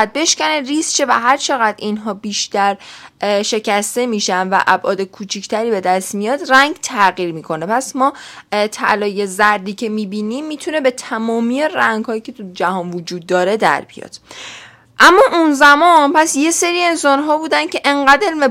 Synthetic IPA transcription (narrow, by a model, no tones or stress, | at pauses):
æd̪̚be̞ʃcæneriːsʃe̞væ̰ɦæɾt͡ʃʰe̞ɣæd̪inɦɒːbiːʃt̪æɾʃe̞cæst̪e̞miːʃænvæ̰ʔæbʔɒːd̪e̞kʰuːt͡ʃʰict̪ʰæɾiːbe̞d̪æst̪mijɒːd̪ræŋɟt̪ʰæɣiːɾmiːkʰo̞ne̞pʰæsmɒːt̪ʰæ̰lɒːje̞zæɾd̪iːcʰe̞miːbiːniːmːiːt̪ʰune̞be̞t̪ʰæmɒːmieræŋɡ̥hɒːjicʰe̞t̪ʰud͡ʒæhɒːnvod͡ʒuːd̪ːɒːɾe̞d̪æ̰ɾbḭjɒ̰d̪̥ | ʔæmːɒːʔunzæmɒnpʰæsje̞se̞ɾiːe̞nsɒːnɦɒːbuːd̪æn̥ce̞ʔeŋɢæd̪elme